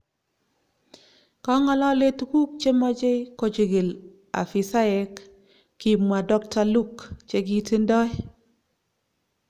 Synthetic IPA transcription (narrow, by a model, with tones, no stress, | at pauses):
kɔ˦ŋɔ˦lɔ˦le˦tku˦k̚t͡ʃe˦mɔ˦d͡ʒe˦ko˦t͡ʃe˨ɡe˨l | a̰˨fi˨sa˦ɛ˨˦kː | i˨mwa˨dɔ˦k̚ta˨lu˦kt͡ʃe˦ɡi˦ti˦ndɔ˦j